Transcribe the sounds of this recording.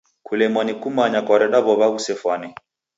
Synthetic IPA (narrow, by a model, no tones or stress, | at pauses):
kulɛmwanikumaɲakɔɾɛɗaβɔβausɛfwanɛ